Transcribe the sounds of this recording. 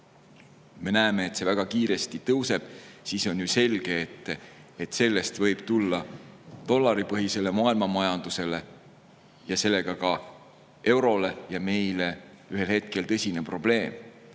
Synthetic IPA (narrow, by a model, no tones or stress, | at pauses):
me̞næːme̞ːt̪ːse̞væɡ̥ɑkiːɾe̞st̪it̪ɤwse̞b̥siːso̞nʲjyse̞lɡ̥eːt̪ːeet̪ːˑse̞lːe̞st̪vɤ̞jb̥t̪ulːɑt̪o̞lːɑɾipɤɦise̞le̞mɑɑːilmɑmɑjɑnd̪̥use̞le̞ | jɑse̞lːe̞ɡ̥ɑkɑ | e̞wɾo̞le̞jɑme̞jle̞ | yɦelhe̞t̪̚ke̞lt̪ɤsʲine̞pro̞b̥le̞ːm